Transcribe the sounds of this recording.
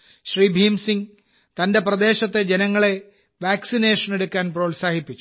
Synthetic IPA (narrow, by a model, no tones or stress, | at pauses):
ɕriːbʱiːmsiŋ | t̪ɐnde̞prɐd̪e̞ːɕɐt̪ːe̞d͡ʑe̞nɐŋːɐɭe̞ | ʋaːksineːʂɐne̞ɽukːaːnproːlsaːhipːit͡ɕːu